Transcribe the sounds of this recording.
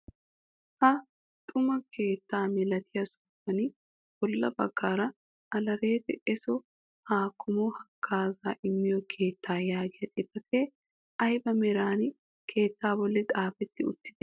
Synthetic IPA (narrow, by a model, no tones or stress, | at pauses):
hɐ | t̪ʼʊmɐkʰe̞ːt̪ːaːmɪlɐt̪ʰɪjɐsʊːfɐnɪ | b̥ɔlːɐbɐ̰ɡ̥ːaːɾɐ | ʔɐlɐɾe̞ːt̪ɛʔɛsɔ | haːkʰːʊmɔhɐkʰːaːzaːʔɪmːɪjɔkʰe̞ːt̪ːaːjaːɡɪjɐt̪ʼɪbɐt̪eː | ʔɐjbɐmɛɾaːn | kʰe̞ːt̪ːaːbɔlːɪt̪ʼaːfɛt̪ːɪʊ̰t̪ːɪ̥d̪ɛ